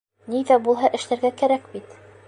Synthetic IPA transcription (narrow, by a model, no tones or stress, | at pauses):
niðæbulˠɦɑʔɘ̆ʃlæɾɡækæɾækbit̪